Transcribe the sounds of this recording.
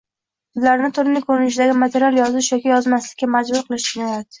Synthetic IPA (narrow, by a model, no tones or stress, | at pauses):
ʊzlaɾɪnɪt̪ʰʊɾɪnɪkʰɵɾɪnɪʃ̬ɪd̪aɡʲɪmat̪ʰe̞ɾijalˠjɒzɪʃjɒkʲɪjɒzmaslɪkʲːamad͡ʒbʊɾqʰɨlˠɪʃd̪ɪnajat̪ɪ